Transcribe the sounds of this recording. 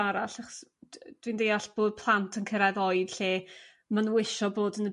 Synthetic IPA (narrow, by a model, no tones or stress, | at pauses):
aɾaɬaχɔ̥sd̥windejaɬb̥oːd̚pʰlˠantʰənkʰəɾaðɔjd̥ɬeː | manwɪʃɔboːdənə